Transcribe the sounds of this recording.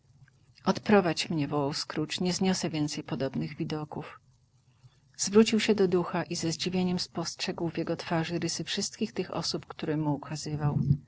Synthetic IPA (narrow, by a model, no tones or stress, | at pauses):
ɔt̪pɾɔvat͡ɕmɲɛvɔwawskɾut͡ʂɲɛzɲɔsɛvʲjɛnt̪sɛjpɔd̪ɔbnɘɣvʲid̪ɔkuf | z̥vɾut͡ɕiwɕɛd̪ɔd̪uxaʔizɛzd͡ʑivʲjeɲɛmspɔstʂɛɡwvʲjɛɡɔt̪faʐɘɾɘsɘfʂɘst̪kʲixt̪ɘxɔ̰supkt̪uɾɛmuːkʰazɘvaw